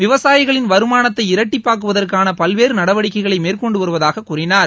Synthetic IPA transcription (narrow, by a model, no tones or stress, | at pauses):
ʋɪʋɐsaːjɪɣɐɭɪnʋɐɾɯmaːnɐt̪ːɐɪɪɾɐʈːɪpːaːɾkɯʋɐðɐrkaːnɐpɐlʋeːɾɯnɐɽɐʋɐɽɪkːɐɪɣɐɭɐɪmeːrkɔɳɖɯʋɐɾɯʋɐðaːɣɐkʊːrɪnaːɾ